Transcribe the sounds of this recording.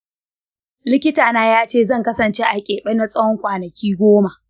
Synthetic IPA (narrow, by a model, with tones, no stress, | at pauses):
lɪ˦kʲɪ˦taː˨naː˦jaː˦t͡ʃeː˦˨zɐ˦˨ŋkɐ˦sɐ˨nt͡ʃeː˦ʔa˨kʲʼeː˨ɓɐ˦na˦sʼɐ˦wɔ˦ŋkʷaː˨nɐ˨kʲʰiː˦ɡʷoː˦ma˨ʔ